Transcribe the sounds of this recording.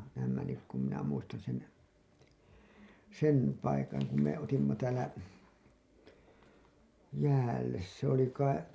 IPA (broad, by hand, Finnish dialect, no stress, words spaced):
næːmːæ nyk kum minæ muistɑn sen sen pɑikɑŋ ku me otimːɑ tæːlæ jæːlːes se oli kɑi